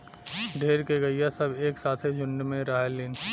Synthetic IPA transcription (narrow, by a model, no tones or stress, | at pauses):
ɖʱeːɾkeɡɐijasɐbeːksaːt̪ʰed͡ʒʱʊ̃ɳɖmẽɾaːɦelːiːn